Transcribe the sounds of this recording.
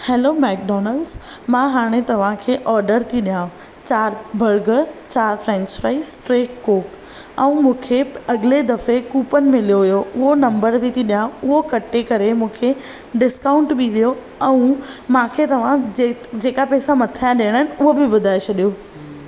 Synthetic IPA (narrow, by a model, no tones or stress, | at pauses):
heːloːmɛːk̚ɖɔːnəlɖzmãɦaːɽ̃et̪ɐʋ̤ãkʰeːʔɔːɾɖəɾt̪ʰiɗijã | t͡ɕaːɾbʱəɾɡəɾt͡ɕaːɾfɾɛ̃ɲt͡ɕpɾaːisʈɾeːkːoːʈ | ɛ̃ũmũːkʰeɐɡɪled̪ɐfekuːpənɪ̆mɪ̃lijoɦʊjoʊɦonɐ̃mbəɾʋit̪ʰiɗijãʊɦokɐʈːekɐɾemũːkʰe | ɖɪskaːʊ̃ɳʈbiɗijo | ɛ̃ũmãkʰet̪ɐʋ̤ãd͡ʑed͡ʑeːkapɛːsamɐt̪ʰijãɗeːəɽ̃əɦɪnɪʊɦobɪbʊd̪ʱaːet͡ɕʰɐɗijoː